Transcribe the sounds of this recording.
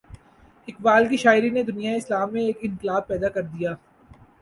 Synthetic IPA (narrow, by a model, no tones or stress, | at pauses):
ɪkbaːlkiʃaːɪɾined̪ʊnijaeɪslaːmːẽeːkɪ̃nqɪlaːb̚pɛːd̪akɐɾd̪ijaː